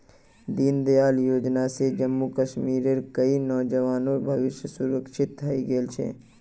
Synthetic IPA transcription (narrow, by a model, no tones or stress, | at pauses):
d̪iːnd̪ejaːljoːd͡ʒnased͡ʒəmːukəʃmiːɾeɾkəinɔːd͡ʒəʋaːnoːɾbʱɐʋɪʃjəsuɾəkʃɪt̪ɦɐiɡeːlt͡ʃʰḛː